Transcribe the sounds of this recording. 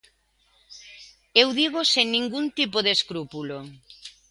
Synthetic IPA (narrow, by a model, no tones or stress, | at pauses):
ewðiɣoseŋnĩŋɡunt̪ipoðeskɾupulo